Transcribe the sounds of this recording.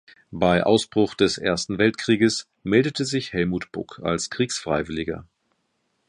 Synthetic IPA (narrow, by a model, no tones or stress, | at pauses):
baɪʔa̰ʊsb̥ʁʊχd̥ɛsʔḛːɐstn̩vɛltkʁ̥iːɡəs | mɛldətʰəzɪçhɛlmuːtb̥ʊ̰kʰa̰lskʁ̥iːksfʁ̥aɪvɪlɪɡɐ̰